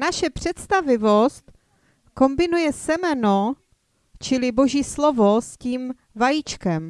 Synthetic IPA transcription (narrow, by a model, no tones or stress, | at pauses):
naʃɛpr̝̥ɛt̪st̪avɪvost̪ | ko̞mbɪnujɛsɛmɛno | t͡ʃɪlɪbo̞ʒiːslovo̞sciːm | vajit͡ʃkɛm